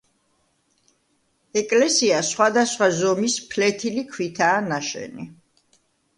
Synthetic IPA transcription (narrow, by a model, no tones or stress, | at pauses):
ɛkʼlɛsiasχwad̪asχwazɔmispʰlɛt̪ʰilikʰwit̪ʰaːnaʃɛ̰ni